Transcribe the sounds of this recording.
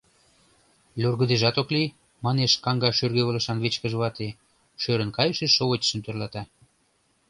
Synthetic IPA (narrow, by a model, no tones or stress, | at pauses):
lʲurɣə̆d̪eʒɑt̪okli | mɑneʃkɑŋɡɑʃørɣeβə̆lə̆ʃɑnβet͡ɕkə̆ʒəβɑt̪e | ʃøɾə̆nkɑjəʃeʃoβot̪ʲə̥ʃə̆nt̪ørlɑt̪ɑ